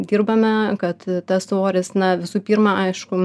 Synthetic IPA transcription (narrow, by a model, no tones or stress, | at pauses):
d̪ʲiːrbɐmʲɛkɐt̪t̪ɐssoːɾʲɪsnɐʋʲɪsuːpʲiːrmɑʔɐɪʃkʊ